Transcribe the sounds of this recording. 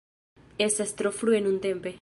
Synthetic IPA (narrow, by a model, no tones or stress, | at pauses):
esast̪ɾofluenũnt̪empe